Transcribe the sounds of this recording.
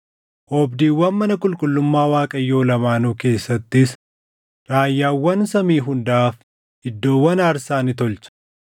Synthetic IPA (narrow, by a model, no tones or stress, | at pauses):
ʔɔbd̪iːwːɐnmɐnɐkʼʊlkʼʊlːʊmːaːwaːkʼɐjːo̞ːlɐmaːnuːke̞ːsːɐt̪ːɪs | ɾaːjːaːwːɐnsɐmiːɦʊnd̪ɐaːf | ɪd̪ːo̞ːwːɐnɐɾsaːnɪt̪ɔlt͡ʃɐ̥